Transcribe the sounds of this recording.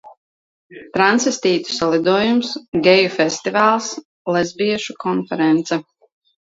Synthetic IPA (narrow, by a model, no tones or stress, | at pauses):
t̪ɾansvist̪iːt̪u̥salˠid̪uɔjumsɡʲɛjufɛst̪ivaːlˠs | lˠɛzbiɛʃukɔnfɛɾɛnt̪sɛ